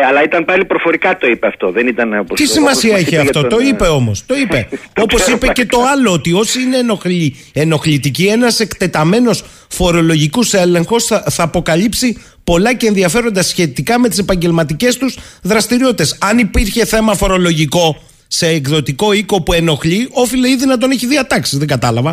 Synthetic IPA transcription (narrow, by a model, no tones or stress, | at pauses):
ɐlɐit̪ɐmpɐlipɾofo̞ɾikɐt̪o̞ipeɐft̪o̞ðenit̪ɐnopost̪issimɐsiɐeçeɐft̪o̞t̪oipe̞o̞mo̞st̪o̞ipeo̞po̞sipece̞t̪o̞ɐlo̞ot̪io̞siine̞oi | eno̞xlit̪icie̞nɐse̞kt̪e̞t̪ɐme̞no̞s | fo̞ɾo̞lo̞ʝikuse̞le̞ŋxo̞sɐθɐːpo̞kɐlipsi | po̞lɐce̞ːnðiɐfe̞ɾo̞nd̪ɐsçe̞t̪ikɐme̞t̪ise̞pɐɲɟe̞lmɐt̪ice̞st̪uzðɾɐst̪iɾioit̪e̞sɐnipiɾçe̞θe̞mɐfo̞ɾo̞lo̞ʝiko̞ | se̞ːkðo̞t̪iko̞iko̞pue̞no̞xʎio̞file̞iðinɐt̪̬o̞neçiðiɐt̪ɐksizðe̞ŋɡɐt̪ɐlɐvɐ